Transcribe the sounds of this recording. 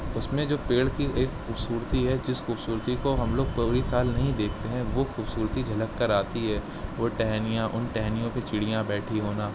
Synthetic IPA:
ʊsmẽd͡ʒoːpeːɭkieːkxuːbsuːɾt̪iɦɛd͡ʒɪsxuːbsuːɾt̪ikoɦɐmloːɡ̚puːɾisaːlnɐɦĩd̪eːkʰt̪eɦɛ̃ʋoxuːbsuːɾt̪id͡ʒʱɐləkːɐɾaːt̪iɦɛː | ʋoʈɛɦnijãʔʊnʈɛɦnijõpet͡ʃɪɽijãbɛːʈʰiɦoːnaː

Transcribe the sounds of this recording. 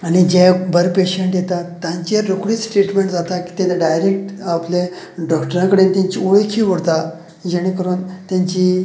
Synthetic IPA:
aɽ̃id͡ʑẽbəɾpeɕeɳʈjet̪at̪ːjãɲt͡ɕieɾokɽiːt͡sʈɾeʈmẽɳʈd͡zat̪aki̥ːt̪et̪aɖajɾek̚ʈaple | ɖɔkʈəɾãkəɽent̪jãɲt͡ɕioɭekʰiːʋəɽt̪a | d͡ʑeɽ̃ekəɾuːnt̪jãɲt͡ɕi

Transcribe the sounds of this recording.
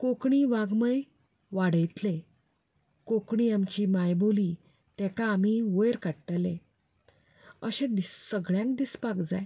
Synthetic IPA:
kokɳiːʋaɡməj | ʋaɽəjt̪le | kokɳiːamt͡ɕiːmajbʱoli | t̪ɛkaːm̤iʋojɾkaɽʈəlẽ | əɕẽd̪isəɡɭjãŋkd̪ispakd͡za̰j

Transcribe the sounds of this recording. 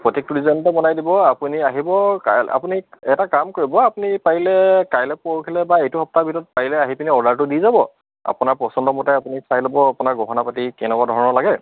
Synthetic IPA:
pɹɔtik̚tuɹizɔntɛbɔnajdibɔapuniaɦibɔkaa̰puniɛtakamkoɹibɔapunipaɦilɛkajlɛpoɹkʰilɛbaejtuxɔp̚tabʱitɔt̚paɦilɛaɦipiniɔɹdaɹtʊdizabɔ | a̰punaɹpɔsɔndɔmɔtɛapunisajlɔbɔapunaɹɡɔɦɔnapatikɛnɛkwadʱɔɹnɔlaɡɛ

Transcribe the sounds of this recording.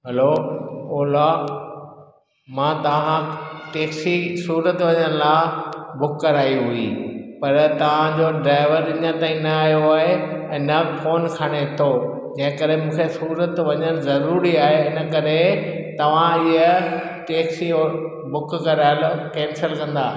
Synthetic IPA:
ɦɐlooːla | mãːt̪ɐʋ̤ãʈeːksisuːɾət̪ʋɐɲəñlaːbʊkːɐɾaːiɦuipɐɾt̪ɐʋ̤ãd͡ʑoɖɾaːɪʋəɾɪɲə̃t̪aːĩnɐaːɦjoaːɦeɛ̃ːnɐfoːnkʰaɽ̃et̪ʰo | d͡ʑɐ̃ɦɪ̃kɐɾemũːkʰesuːɾət̪ʋɐɲənzɐɾuːɾiaːɦeɪnə̆kɐɾet̪ɐʋ̤ãɪɦə | ʈeːksio | bʊkkɐɾaːɪlokɛ̃ːnsəlkɐ̃nd̪aː

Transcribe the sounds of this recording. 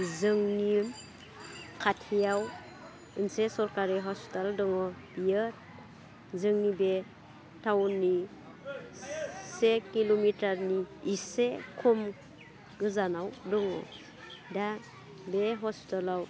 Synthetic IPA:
zɯŋni | kʰatʰijaw | ɯnsesɔɾkaɾiɦɔstaldɔŋɔb̥ijɯt̚ | zɯŋnibe | tʰawnːi | sekilomitaɾniːsekʰɔm | ɡɯzanawdɔŋɔ̰ | da | beɦɔstalaw

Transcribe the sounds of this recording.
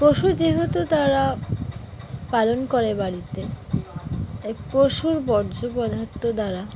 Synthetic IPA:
pɾoʃud͡ʑiɦot̪ut̪aɾa | palonkoɾebaɽit̪e | epɾoʃuɾbɔɾd͡ʑopɔd̪ʱaɾt̪od̪aɾa

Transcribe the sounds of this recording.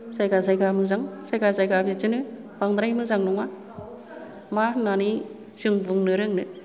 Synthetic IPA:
sajkasajɡamɯzaŋsajkasajɡabit͡ʃɯnɯ | paŋd̪ɾajmɯzaŋnɔŋa | manani | sɯŋbuŋnɯɾɯŋnɯ

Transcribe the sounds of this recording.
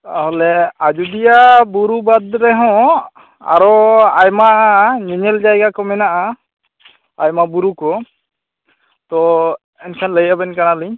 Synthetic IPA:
t̪aɦɔlɛad͡ʒud̪ijabuɾubad̪ɾɛɦɔ̃ | a̰ɾɔajmaʔɲiɲɛld͡ʒajɡakɔmɛnaʔa | ajmabuɾukɔ | t̪ɔ | ɛnkʰanləjabɛnkaɽaliɲ

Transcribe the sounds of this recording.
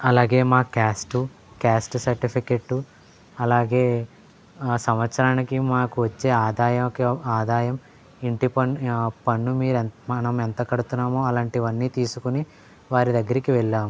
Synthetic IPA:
ɐlaːɡe̞ːmaːkaːsʈu | kaːsʈsɐɾʈipʰikeːʈːu | ɐlaːɡe̞ː | sɐmʋɐt̪sɐɾaːnikimaːkuʋɐt͡ʃːe̞ːaːd̪aːjɐkaːd̪aːjɐm | iɳʈipɐpɐɳːumiːɾemɐnɐment̪ɐkɐɽut̪unːaːmoːɐlaːɳʈiʋɐnːiːt̪iːsukuni | ʋaːɾid̪ɐɡːɐɾikiʋɛɭːaːmu

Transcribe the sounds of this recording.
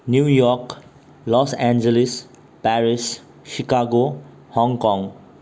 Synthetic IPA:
njujɔɾk | lɔsɛnd͡ʒelis | pɛɾis | ʃikaɡo | hɔŋkɔŋ

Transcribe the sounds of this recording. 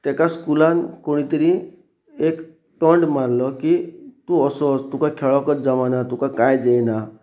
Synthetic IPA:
t̪ekaskulankoɽ̃it̪eɾĩ | ek | ʈɔɳɖmaɾlɔkit̪ũɔsɔt̪ũkakʰeɭɔkɔɾd͡ʒaʋanat̪ũkakajd͡ʒejna

